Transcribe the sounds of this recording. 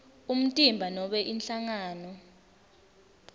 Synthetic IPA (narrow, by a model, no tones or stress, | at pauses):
um̩tʼimbʱanɔɓɛʔinɬaŋaːnɔ